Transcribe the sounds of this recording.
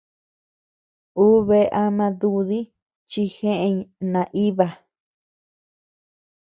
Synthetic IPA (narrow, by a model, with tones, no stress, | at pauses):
uː˦βe˧ʔa˧mã˧ðu˧ði˦ | t͡ʃi˧xẽ˦ʔe˧nã˧˨ʔi˦βa˧˨